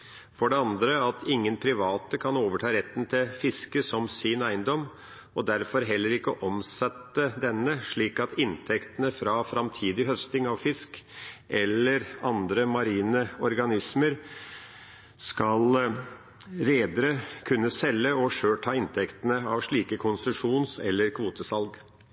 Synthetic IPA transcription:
fɔɖɛɑnd̪ɾəɑt̪ʰɪŋːənpʰɾɪʋɑːt̪əkʰɑnoːʋəʈʰɑːɾɛt̪ːn̩t̪ʰɪlfɪskəsɔmsɪnæɪnd̪ɔm | ɔd̪æɾfɔɾɦɛlːəɾɪkːəʔɔmsɛt̪ːəd̪ɛnːəʂɭiːkɑt̪ɪnt̪ʰɛkt̪ənəfɾɑfɾɑmt̪ʰiːd̪ɪɦœst̪ɪŋɑʋfɪskʔɛlːəɾɑnd̪ɾəmɑɾiːnəɔɾɡɑnɪsməɾ | skɑl | ɾeːd̪əɾəkʰʉnːəsɛlːəɔʂøːʈʰɑːɪnt̪ʰɛkt̪ənəɑʋʂɭiːkəkʰʊnsʉʂuːnsɛlːəɾkʰʋuːt̪əsɑlɡ

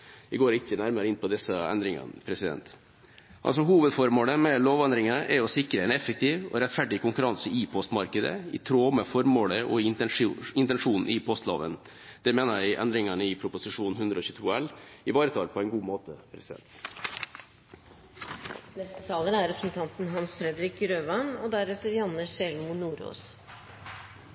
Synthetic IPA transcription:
ɪɡoːɾɪkːənæɾməɾəɪnpɔd̪ɪsəɛ̰nd̪ɾɪŋɑ̰npʰɾɛsɪd̪ɛ̰nt̪ | ʔɑ̰ls̬ɔɦuːʋəd̪fɔɾmoːləmɛloːʋɛnd̪ɾɪŋəʔɛɔsɪkɾəɛnɛfək̚t̪ʰiːʋɔ̰ɾɛt̪fæɖɪkʊŋkʉɾɑnsəipʰɔst̪mɑɾkəd̪ə̰ɪ̰t̪ʰɾoːməfɔɾmoːləʔɔ | ɪnt̪ɛnʂuːnn̩ɪpʰɔst̪lo̰ːʋə̰n | d̪̥ɛmeːnəɾæɪʔɛ̰nd̪ɾɪŋɑnəɪpʰɾʊpʊsɪʂuːn̩hʉnd̪ɾɔːçʉːt̪ʰuːɛlɪʋɑːɾət̪ʰɑlpʰɔɛɪnɡuːmoːt̪ʰəpʰɾɛsɪd̪ɛ̰nt̪ | nɛst̪ət̪ʰɑːlənæɾɛpɾəsn̩t̪ʰɑnt̪n̩ɦɑnsfɾɛd̪ɾɪkɾøːʋɑnɔːd̪æɾɛt̪ːəɾjɑnːəʂɛlmʊnuːɾo̰ːs

